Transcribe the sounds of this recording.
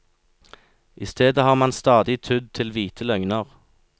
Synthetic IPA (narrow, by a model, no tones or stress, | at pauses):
ʔɪst̪ʰeːd̪əhɑːʁmɑnst̪ɑːd̪ɪt̪ʰʉd̪̚t̪ʰɪlʋiːt̪ʰəlœŋnəʁ